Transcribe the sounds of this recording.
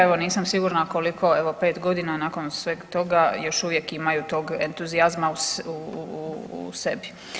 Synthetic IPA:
eʋo̞niːsamsiɡuɾnako̞likʰo̞eʋo̞pe̞ːt̪ɡo̞d̪inanaːko̞nsʋeːɡt̪o̞ɡajo̞ʃuʋjekimajut̪oːɡent̪uziazmausuuṵsebi

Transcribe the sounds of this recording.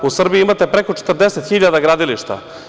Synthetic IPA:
usr̩bijiimat̪e̞pɾeko̞t͡ʃe̥t̪rd̪eset̪xiʎad̪aɡɾaːd̪iliʃt̪a̰

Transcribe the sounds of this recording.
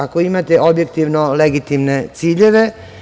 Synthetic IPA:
ako̞imat̪e̞ʔo̞bjek̚t̪iʋnoleɡit̪imne̞t̪siːʎe̞ʋe̞

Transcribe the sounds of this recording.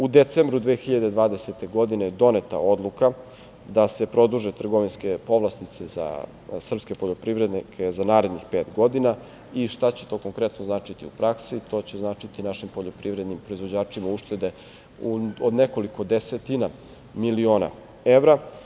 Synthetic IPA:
ud̪e̞t̪sembɾud̪ʋeːxiʎad̪e̞d̪ʋaːd̪e̞set̪e̞ɡo̞d̪ined̪o̞net̪a̰o̞d̪lˠuka | d̪ase̞pɾo̞d̪uʒet̪r̩ɡo̞ʋinske̞po̞ʋlˠast̪it̪seza̰ | sr̩pske̞poʎo̞pɾiʋɾed̪nikʰezanaːɾe̞d̪nixpe̞ːt̪ɡo̞d̪ina | iʃt̪at͡ɕe̥t̪o̞ːkoŋkɾe̞t̪noznaːt͡ʂit̪iupɾaksit̪o̞ːt͡ɕeznaːt͡ʃit̪inaʃimpoʎo̞pɾivɾed̪nimpɾo̞izʋo̞d͡ʑaːt͡ʃimauʃt̪e̞d̪e̞ | uod̪ne̞ko̞liko̞d̪eset̪ina | milio̞ːna̰ | eʋɾa

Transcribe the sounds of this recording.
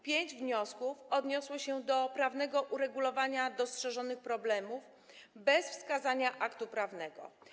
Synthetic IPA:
pʲjeɲd͡ʑvɲɔskufɔd̪ɲɔswɔɕɛd̪ɔpɾavnɛɡɔʔuɾɛɡulɔvaɲad̪ɔstʂɛʐɔnɘxpɾɔblɛmuv | bɛsfskazaɲaʔakt̪upɾavnɛɡɔ̰

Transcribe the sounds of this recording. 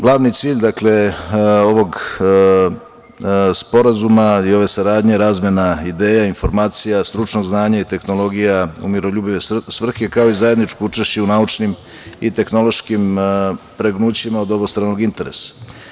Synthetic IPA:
ɡlˠaːʋnit̪siːʎd̪akle̞o̞ʋo̞ɡ | spo̞ɾazumaio̞ʋe̞saɾaːd̪ɲeɾaːzmjenaid̪e̞ːjainfo̞ɾmaːt̪sijast̪ɾut͡ʃno̞ɡznaːɲait̪e̞xno̞lˠo̞ɡijaṵmiɾo̞ʎuːbiʋesʋr̩xekao̞izaje̞d̪nit͡ʃkout͡ʂeʃt͡ɕeunaut͡ʃnim | it̪e̞xno̞lˠo̞ʃkimpɾeɡnuːt͡ɕimaod̪o̞bost̪ɾaːnoɡint̪e̞ɾe̞̰sḁ

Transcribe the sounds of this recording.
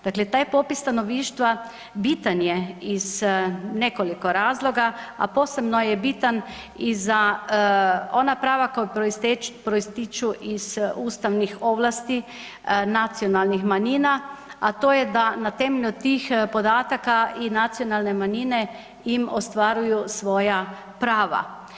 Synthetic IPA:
d̪̥aːklet̪aːjpopist̪anoʋiːʃt̪ʋa | biːt̪anjɛiz̥nekolikoɾaːzloɡaa̰poːsebnojɛbit̪an | iza | onapɾaːʋakojpit̪pɾoist̪it͡ʃuʔiz̥uːst̪awnixoblast̪i | nat̪sijonalnixmaɲiːnaat̪oːjɛd̪anat̪ɛmeʎut̪ixpod̪aːt̪akainat̪sijonalnemaɲinɛ | jimost̪ʋaːɾujusʋoːja | pɾaːʋa̰

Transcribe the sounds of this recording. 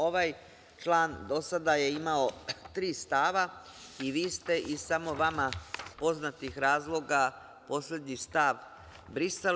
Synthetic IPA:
oʋaj | t͡ʃlˠaːnd̪o̞sad̪aje̞imao̞t̪ɾiːst̪aːʋa | iʋiːst̪e̞ʔisamo̞ʋamapo̞znat̪ixɾaːzlˠo̞ɡa | po̞slʎe̞d̪ɲist̪aʋ | bɾise

